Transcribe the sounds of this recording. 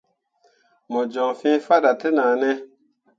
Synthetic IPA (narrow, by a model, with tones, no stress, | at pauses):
mɔ˨d͡ʒɔ˨ŋfĩ˦fa˦ɗa˨te˦naː˨nɛ˦